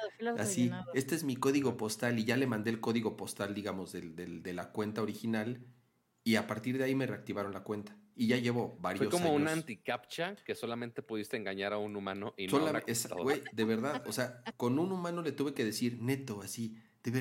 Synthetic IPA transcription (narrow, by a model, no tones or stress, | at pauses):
asie̞st̪oe̞zmiko̞ðiɣo̞po̞st̪aliʝale̞mãnd̪eːlko̞ðiɣo̞po̞st̪ald̪iɣamo̞zðeld̪eld̪e̞lakwe̞nt̪aoɾixinal | iapaɾt̪iɾðeaime̞re̞ak̚t̪iβaɾo̞nlakwe̞nt̪ḁiʝaʝe̞βo̞βaɾjeoskoamounant̪ikap̚t͡ʃake̞so̞lamẽnt̪e̞puðist̪eeŋɡaɲaɾaunumãnoʔisolaḛwejd̪eβe̞ɾðaðose̞ako̞nũnumãno̞le̞t̪uβe̞ke̞ðe̞siɾne̞t̪o̞asid̪̥eβ